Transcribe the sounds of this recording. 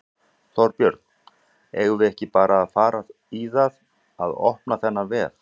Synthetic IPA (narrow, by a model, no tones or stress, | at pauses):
θɔɾpjœɾt̪n̥ | eːɣðɪɛhcɪpaːɾʔaːðfaːɾað | iðað | aðɔ̰hpnaθɛnːavɛːð̥